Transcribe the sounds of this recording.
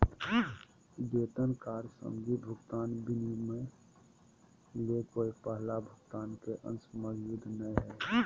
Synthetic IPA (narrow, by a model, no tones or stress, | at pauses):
d͡ʒeːt̪ənkaːɾsə̰md͡ʒibʱʊɡt̪aːnbɪnimẽ | lekoːipəɦlabʱʊɡt̪aːnkeʔə̰̃nsməjud̪nəĩɦɛː